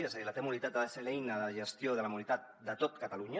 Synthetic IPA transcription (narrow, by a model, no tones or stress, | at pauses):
eeilat̪emulit̪at̪aðaselejnaðaʒe̞st̪io̞ð̞elamulit̪at̪̚d̪at̪ot̪kat̪aluɲa